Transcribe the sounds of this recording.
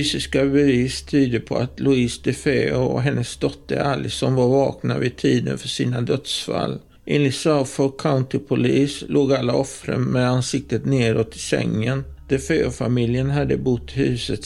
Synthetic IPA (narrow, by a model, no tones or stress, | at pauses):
yːsɪskabɛviːst̪ʰyːd̪əpʰɔat̪lʊiːsd̪ɛfeːɔɦɛnːəsd̪ɔt̪ːə̰alːɪsɔnvaɾvɑːkna̰vɪt̪ʰiːd̪ə̰nfœʂiːnad̪œt̪sfa̰lː | ʔeːnlɪt̪safɔkʰaʊnt̪ɪpʰʊliːslʔoːɡalːaɔfɾə̰nmɛd̪ansɪk̚t̪ət̪neːɾɔt̪ʰːɪsɛ̰ŋːən | d̪̥ɛfeːʊfamɪljənɦad̪ːəbʊt̪ːhʉ̟ːsət̪